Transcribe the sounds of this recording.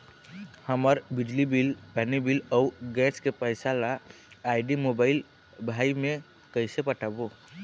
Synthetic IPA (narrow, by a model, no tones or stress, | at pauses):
həməɾbɪd͡ʒlibilpɛnibilɔʊɡɛskepəjsala | aɪɖimobaɪl | bʱaimẽ | kəɪsepəʈʰabo